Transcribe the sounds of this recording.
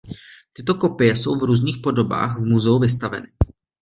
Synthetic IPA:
t̪ɪt̪o̞ko̞pɪjɛso̞̰wvɾuːzniːxpo̞do̞ba̰ːxvmuzɛuvɪs̬t̪avɛ̰nɪ

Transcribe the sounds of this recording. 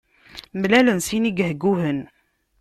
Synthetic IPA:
mlælənsiniɡhɡuhən

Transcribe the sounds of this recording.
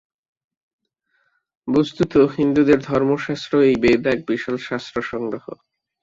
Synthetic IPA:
bost̪ut̪oɦind̪ud̪eɾd̪ʱɔɾmoʃast̪ɾoejbeːd̪aɛk̚biʃolʃast̪ɾoʃɔŋɡɾoɦo̰

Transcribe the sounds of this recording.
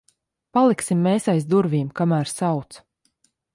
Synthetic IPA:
palˠiksimːeːsajzd̪uɾviːmkamæːɾsawt̪s

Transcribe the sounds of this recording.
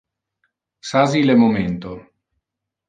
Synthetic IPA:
sazilɛmoment̪o

